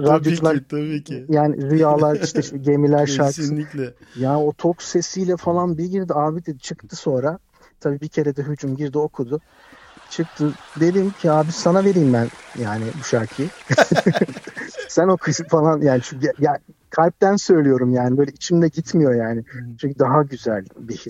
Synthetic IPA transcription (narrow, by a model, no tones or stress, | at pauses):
ɾad̪jo̞d͡ʒulˠaɾjaːnɪ̰ɾujaːlˠaɾiʃt̪ʰɛʃiɟemilʲæɾʃaɾk̪ | jaːnɪot̪ʰokse̞sijlʲɛfalˠanbilʲɟiɾd̪iaːbid̪ed̪it͡ʃʰɯkt̪ʰɯso̞nɾa | t̪ʰabiːbicʰe̞ɾɛd̪ɛɦyd͡ʒumɟiɾd̪io̞kʰud̪ʊ | t͡ʃʰɯk̚t̪ʰɯd̪e̞d̪imcʰiaːbisanave̞ɾiːmbænjaːnɪbuʃaɾkʰi | sæno̞kʰɯsfalˠanjaːnit͡ʃʰyɲjakʰalʲp̚t̪ænsø̞jlʲijo̞ɾumjaːnɪbøːlʲɛit͡ʃʰimd̪ɛɟit̪mijo̞jaːnɪt͡ʃʰyɲcʰyd̪aɦaɟyzælʲbihis